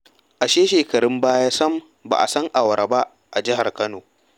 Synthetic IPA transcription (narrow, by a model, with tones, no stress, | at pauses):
ʔa˨ʃeː˦ʃeː˨kɐ˨ɽɪ˦mbaː˦jaː˦sɐ˦m | ba̰˨ʔa̰˨sɐ˦ŋʔa˨wɐ˨ɾa˨ba˦ʔ | ʔa˨d͡ʒɪ˦ɦa˨rkɐ˦noː˨